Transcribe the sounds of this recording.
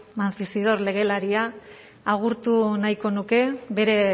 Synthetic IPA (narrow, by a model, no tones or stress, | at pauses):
manfisið̞o̞ɾle̞ɣ̞e̞laɾia | aɣ̞uɾt̪unajko̞nuke̞βe̞ɾe̞